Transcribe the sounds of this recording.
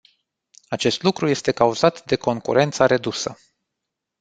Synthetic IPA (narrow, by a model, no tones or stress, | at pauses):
at͡ʃe̞st̪lukɾuje̞st̪e̞kauzat̪d̪e̞ko̞ŋkṵɾʔe̞nt̪saɾe̞d̪usə